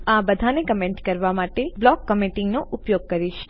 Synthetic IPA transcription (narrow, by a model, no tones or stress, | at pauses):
abəd̪ʱanekəmẽɳʈkəɾʋamaʈeblɔkːəmiʈɪŋɡnoʔʊpjoɡ̚kəɾiʃ